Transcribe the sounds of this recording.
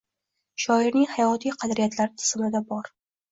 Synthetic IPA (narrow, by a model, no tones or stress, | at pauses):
ʃɒɪɾnɪŋhajɒt̪ʰijqʰɑd̪ɾijat̪ʰlaɾɪt̪ʰɪ̥z̥mɪd̪abɒɾ